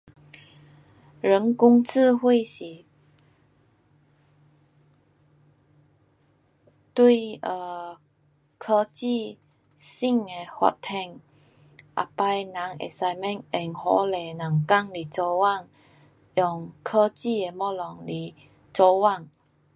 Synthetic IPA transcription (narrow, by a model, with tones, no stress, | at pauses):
ɻə˨˦ŋku˥ŋt͡s̩ʰ˥˧˨hwe˥˩˨ɕi˨˩ | t̪wi˥˧ə˧˩ | kʰə˧t͡ɕi˥˧˨ | si˥˧˨ŋe˨˧hwa̰˨˧˨t̚t̪ʰɛ˧ŋ | ʔa̰˨pa˧jnã˨˦ŋḛ˨˩sa˧jmɛ̃˥˨nɛ˨˩ŋhɔ˧˦le˨˩nã˨˩ŋka˥˨ŋli˨˩t͡sɔ˧wa˥˧˨ŋ | ʔjɔ˨˧˩ŋkʰə˧t͡ɕi˥˨e˨˩mɔ˥˧˩lɔ˨˩ŋli˨˩ | t͡sɔ˧wa˥˨ŋ